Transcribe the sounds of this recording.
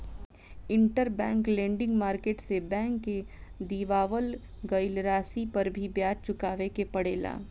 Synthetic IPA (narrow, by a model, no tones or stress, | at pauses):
ɪ̃ɳʈəɾbɛ̃ːŋklẽːɳɖɪ̃ŋɡmaːɾkeːʈsebɛ̃ːŋkːed̪iːʋaːʋəl | ɡəɪlɾaːsipɐɾbʱibjaːd͡ʒt͡ʃʊkaːʋekepɐɽeːla̰ː